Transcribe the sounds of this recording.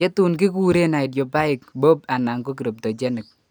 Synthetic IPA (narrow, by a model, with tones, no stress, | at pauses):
ɛ˦tu˨nkɪ˦ku˦ɾe˦na˨ɪ˨djo˨ba˦ɪ˨k̚bo˦p̚a˨na˨ŋko˦ki˨ɾo˨p̚tɔ˨t͡ʃɛ˦nɪ˨k̚